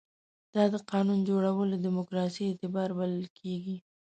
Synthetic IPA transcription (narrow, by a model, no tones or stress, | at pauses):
d̪̥ɑd̪əqɑnund͡ʒoɽawəlod̪ɪmʊkɾɑsiːt̪ɪbɑɾbaləlkʰeɡi